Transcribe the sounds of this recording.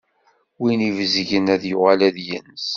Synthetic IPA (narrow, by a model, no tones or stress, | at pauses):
winivzʝənæðjʊʁalæðjə̰ns